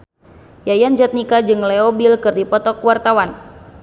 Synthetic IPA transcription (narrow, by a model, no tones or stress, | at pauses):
jajand͡ʒat̪̚nikad͡ʒɨŋlɛɔbilkɨrdipɔt̪ɔkuwart̪awan